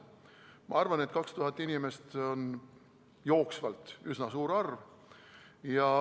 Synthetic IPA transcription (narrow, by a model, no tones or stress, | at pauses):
mɑ̰ɑrvɑne̞t̪kɑkst̪uɦɑt̪ːˑinʲime̞st̪o̞n | jo̞ːksvɑlt̪ˑysnɑsuːɾɑrv | jɑ